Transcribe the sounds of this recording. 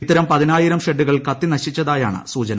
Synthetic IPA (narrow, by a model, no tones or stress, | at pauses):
t̪ːɐɾɐmpɐðinaːjiɾɐmʂeɖːuɣɐɭkɐt̪ːinɐɕit͡ɕːɐðaːja̰ːɳɨ̰suːt͡ɕɐn